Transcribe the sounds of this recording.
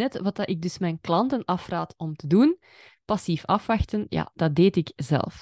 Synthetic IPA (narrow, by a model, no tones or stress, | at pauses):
ɛtʋɑt̚dɑʔɪɡ̚dʏsmɛjnklɑntənɑfraːtɔmtədun | pɑsifɑfʋɑxtənja̰d̥ɑt̚deːtɪkzɛ̰lˠf